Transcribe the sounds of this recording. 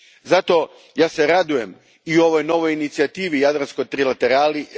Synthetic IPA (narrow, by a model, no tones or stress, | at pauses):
zat̪o̞ | jaːse̞ɾad̪uje̞m | iuo̞ʋo̞jno̞ʋo̞jinit̪siat̪iːʋijad̪ɾansko̞jt̪ɾilˠat̪eɾaːli